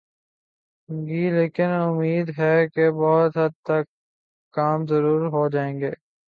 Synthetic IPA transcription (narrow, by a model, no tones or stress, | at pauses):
ɡiːleːkɪnʊmiːd̪ɦɛkebɔɦʊt̪ɦɐd̪̚t̪ɐkː | aːmzɐɾuːɾɦod͡ʒaːẽːŋɡeː